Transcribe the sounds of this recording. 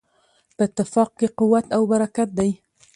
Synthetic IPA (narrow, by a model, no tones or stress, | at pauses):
bɪt̪ːɪfɑq̚kiqʊwːat̪awbaɾakat̪̚d̪ej